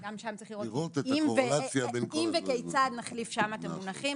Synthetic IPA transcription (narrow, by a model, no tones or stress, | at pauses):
ɡamʃamtt͡saɐiχliʁoiʁot̪etimoveasjabenkimvekejt͡sad̪naχlifʃamaːt̪emmunaχim